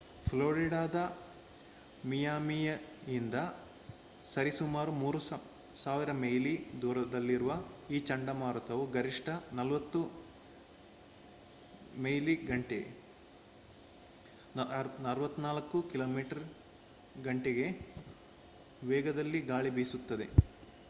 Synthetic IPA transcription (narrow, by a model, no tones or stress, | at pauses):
pʰloːɾiɽaːd̪ɐ | mijaːmijɐind̪ɐ | sɐɾisumaːɾumuːɾus | saːʋiɾɐmejlid̪uːɾɐd̪ɐlːiɾuʋɐiːt͡ʃɐɳɖɐmaːɾut̪ɐʋuɡɐɾiʂʈɐnɐlʋɐt̪ːu | mejliɡɐɳʈe | nɐɾɐʋɐt̪ːunaːlɐkːukiloːmiːʈɐɾ | ɡɐɳʈeɡe̞ | ʋɛːɡɐd̪ɐlːiɡaːɭibiːsut̪ːɐd̪e̞̰